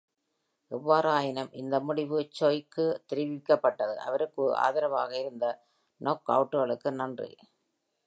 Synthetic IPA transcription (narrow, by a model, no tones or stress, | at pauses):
ʔɛʋːaːɾɯaːjɪnɐmʔɪ̰nd̪ɐmʊɽɪʋɯt͡ʃːɔjkːɯt̪ɪɾɪʋɪkːɐpːɐʈːɐðɯʔɐ̰ʋɐɾɯkːɯa̰ːðɪɾɐʋaːɣɐɪɾɯnd̪ɐ | noːkɐ̰ʋʈːɯɣɐɭɯkːɯnɐndrḭ